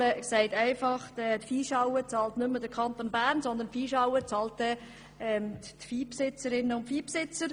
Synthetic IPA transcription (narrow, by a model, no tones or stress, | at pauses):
əksɛɪtæɪfɑχtɛt̪fiːʃɑwət͡sɑːlt̪nʏmːəd̥əɾkʰɑnt̪oːnbæːɾnsɔnd̪əntfiːʃɑwət͡sɑlt̚dɛ | ɛmtfiːpsɪt͡səɾɪnːəʊntfiːpsɪt͡səɾ